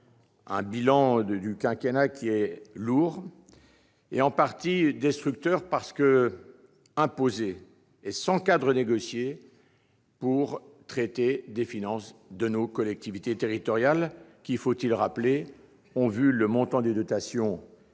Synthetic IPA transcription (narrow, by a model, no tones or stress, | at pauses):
ɛ̃bilɑ̃d̪ykʲɛ̃kʲenakʲʰiɛluːʁ | eɑ̃paʁt̪id̪ɛst̪χyk̚t̪œʁpaʁsə̥kə | ɛ̃pozeː | sɑ̃kad̪ʁəneɡɔsje | puʁ | t̪χɛt̪ed̪efinɑ̃sd̪ənokɔlɛk̚t̪ivit̪et̪eʁit̪ɔʁjalkʲifot̪ilʁaple | ɔ̃vyləmɔ̃t̪ɑ̃d̪ed̪ɔt̪asjɔ̃